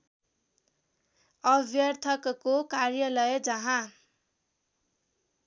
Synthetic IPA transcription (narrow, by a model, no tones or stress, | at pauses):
ʌbʱjʌrt̪ʰʌkkokarjʌlʌjd͡zʌɦã